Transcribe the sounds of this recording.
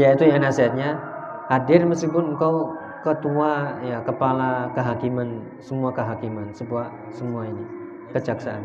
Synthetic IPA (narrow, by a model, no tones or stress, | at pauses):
jait̪ujanasiat̪̚ɲa | hadɪrməstipʊnəŋkaw | kət̪uajakəpalakəɦakiman | səmuakəɦakimansəbua | səmuaini | kət͡ʃaksaan